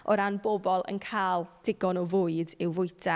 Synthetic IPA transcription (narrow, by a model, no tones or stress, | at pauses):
ɔɾanbɔbɔlˠə̰nkʰaːlˠd̥ɪɡɔnɔvʊɨdɪwvʊjtʰa